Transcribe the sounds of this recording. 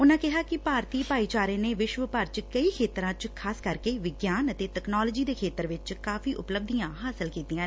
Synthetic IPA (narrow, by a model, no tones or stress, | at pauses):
ʊnãːkɪɦaːkɪpaːɾt̪iːpaːiːt͡ʃaːɾẽːneːʋɪʃʋəpəɾt͡ʃkəiːkʰeːt̪ɾãːt͡ʃkʰaːskəɾkeːʋɪɡjaːnət̪eːtɛknaːloːd͡ʒiːd̪eːkʰeːt̪əɾʋɪt͡ʃkaːfiːʔʊpləb̚d̪ijãːɦaːsɪlkiːt̪iːãː